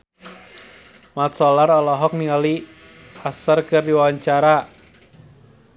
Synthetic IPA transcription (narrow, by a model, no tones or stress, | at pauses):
mat̪sɔlarɔlɔɦɔk̚niŋaliasərkɨrdiwawaɲt͡ʃaɾa